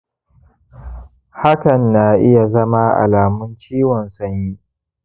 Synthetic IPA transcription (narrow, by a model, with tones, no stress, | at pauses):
ha˦kɐ˨nːaː˨ʔɪ˦ja˨zɐ˦ma˦ʔa̰˨laː˨mʊ˦nt͡ʃiː˦wɔ˨nsɐ˦ɲji˦